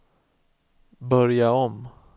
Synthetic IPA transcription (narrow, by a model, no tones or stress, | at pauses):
bœɾjaɔm